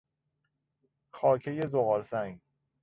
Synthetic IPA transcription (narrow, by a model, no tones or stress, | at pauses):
xɒːkʰeje̞zoɣɒːɾsæŋɡ